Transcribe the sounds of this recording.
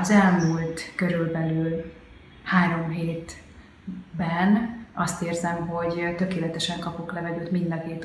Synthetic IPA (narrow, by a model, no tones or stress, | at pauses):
ɒzɛlmult̪kø̞ɾylbɛlyːl | haːɾo̞mɦeːt̪ | bɛnɒst̪eːrzɛmɦo̞ɟt̪ø̞keːlɛt̪ɛʃɛŋkɒpoklɛvɛɡ̪øːt̪mind̪ɒkeːt̪